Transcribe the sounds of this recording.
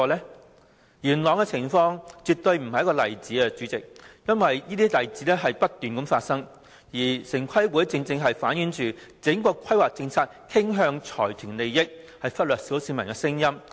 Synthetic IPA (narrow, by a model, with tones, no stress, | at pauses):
lɛː˥ | jyː˨˩nlɔː˨˩ŋkɛ˧t͡sʰɪ˨˩ŋfɔː˧ŋt͡sy˨˧t̚t̪ɵ˧ɥm̩˨˩hɐ˨jɐ˥kɔː˧lɐ̰˨˩jt͡siː˨˥ɛ˧t͡syː˨˥t͡sɪ˨k̚jɐ˥nwɐ˨jjiː˥t̪iː˥lɐ˨˩jt͡siː˨˥lɛː˥ɦɐ˨jpɐ˥t̚t̪yː˨nkɐ˨˥mfaː˧t̚sɐ˥ŋ | jiː˨˩sɪ˨˩ŋkʰɐ˥jwu˨˥jt͡sɪ˧ŋt͡sɪ˧ŋɦɐ˨jfaː˨˥nji˨˥nt͡ʃyː˨t͡sɪ˨˥ŋkɔː˧kʷʰɐ˥jwaː˨k̚t͡sɪ˧ŋt͡sʰaː˧˥t̚kʰɪ˥ŋɦœː˧ŋt͡sʰɔ̰ː˨˩jt̪ʰyː˨˩nle˨jjɪ˥k̚ | hɐ˨jfɐ˥t̚lœː˨˩k̚siː˨˥wsiː˨˧mɐ˨˩nkɛ˧sɪ˥ŋjɐ˥m